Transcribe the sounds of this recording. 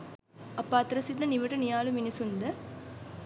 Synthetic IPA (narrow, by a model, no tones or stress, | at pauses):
ɐpːaːt̪ɾɐsit̪nɐniʋɐʈːɐnijaːluminisund̪ɐ